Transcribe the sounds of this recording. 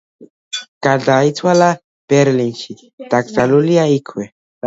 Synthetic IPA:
kaɮait͡sʰwala | b̥ɛɾlinʃi | t̪aksaluliaikʰwɛ

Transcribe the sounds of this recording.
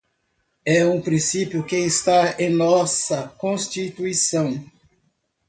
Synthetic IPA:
ɛũpɾĩsipjʊkeest̪aẽnɔsɐkõst͡ʃit̪uisɐ̃w̃

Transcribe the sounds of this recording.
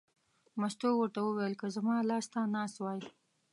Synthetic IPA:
mast̪owəɾt̪awəwejlkəzamɑlɑst̪anɑst̪wɑj

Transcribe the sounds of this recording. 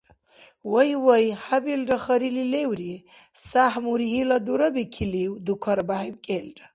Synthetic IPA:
wəjwəjhabildaxɐɾililewɾi | sahmuɾihilad̪uɾabikʰiliwd̪ukʰaɾbahibkʼelda

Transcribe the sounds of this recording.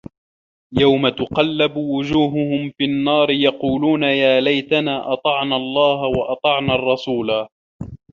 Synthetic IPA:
jawmat̪ʊqɑlːabwʊd͡ʒuːɦʊhʊmfinːɑːɾɪjɑquːluːnajaːlajt̪anaːʔɑt̪ˤɑʕnaːɑlˤːɑːhawɑʔɑt̪ˤɑʕnaːɑrˤːɑsuːlaː

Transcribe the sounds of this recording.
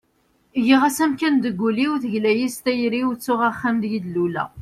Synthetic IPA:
jiʁæsæmkænd̪əɡʷːuliwθəʝlæjist̪æjɾiwt͡sːʊʁæχːæmd̪jid̪lulæ̰

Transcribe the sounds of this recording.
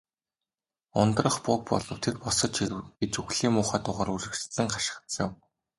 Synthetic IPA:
ʊnt̪rə̆χpʊːk̚pɔ̰ɮɞ̆wt̪ʰerpɔsɞ̆t͡ɕiɡet͡ɕuxɮiːmʊːχaːt̪ʊʁaːɾuɮɘ̆kt͡ɕsɘ̆ŋχḁʃɪ̥̆χt̪sɪ̆w

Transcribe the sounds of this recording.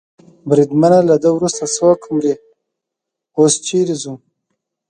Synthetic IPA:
bɾid̪manalad̪əwɾust̪asowakʰmɾi | ost͡ʃiɾizum

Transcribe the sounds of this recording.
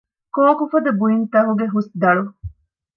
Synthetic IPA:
koːkufɐd̪ɐbuint̪ɐɦuɡeɦusd̪ɐɭu

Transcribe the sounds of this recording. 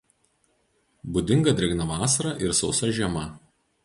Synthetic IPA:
bʊd̪ʲɪŋɡɐd̪ʲɾʲɛɡnɐʋɑːsɐɾɐʔɪɾsɒʊsɐʒʲiɛmɐ

